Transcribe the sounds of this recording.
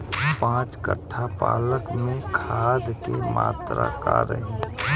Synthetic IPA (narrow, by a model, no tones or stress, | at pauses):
pãːt͡ʃkə̰ʈʰːapaːləkmẽkʰaːd̪kemaːt̪ɾakaɾə̰ɦe